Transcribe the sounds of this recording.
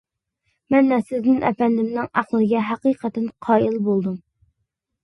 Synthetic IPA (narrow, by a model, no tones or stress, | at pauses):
mɛnːɛsɪznɪnʔɛ̰fɛnd̪ɪmnɪŋæχlˠɨɡʲɛɦæqiːqʰət̪ɛnqʰɑːilbolˠd̪um